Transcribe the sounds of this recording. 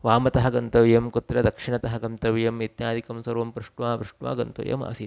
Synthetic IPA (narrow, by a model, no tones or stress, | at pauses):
ʋaːmɐt̪ɐɦɐɡɐnt̪ɐʋjɐmkut̪ɾɐd̪ɐkʂiɳɐt̪ɐɦɐɡɐnt̪ɐʋjɐmit̪jaːd̪ikɐmsɐɾʋɐmpɾuʂʈʋaːʋɾuʂʈʋa̰ːɡɐnt̪ɐ̰jɐ̰ma̰ːsi